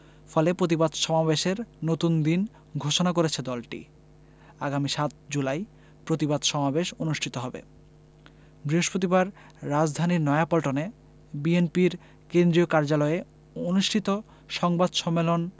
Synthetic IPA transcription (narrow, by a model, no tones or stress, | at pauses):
fɔlepɾot̪̬ibad̪ʃɔmabeʃeɾnot̪und̪in | ɡʱoʃonakoɾet͡ɕʰed̪ɔlʈḭ | aɡamiʃat̪d͡ʑulaj | pɾot̪ibad̪ʱʃɔmabeʃonuʃʈʰit̪oɦɔbḛ | bɾiɦoʃpɾot̪̬ibaɾː | ad͡ʑd̪ʱaniɾnɔeapɔlʈone | bienpiɾ | kend̪ɾiokaɾd͡ʑalɔe | onuʃʈʰit̪o | ʃɔŋbad̪ʃɔmːelon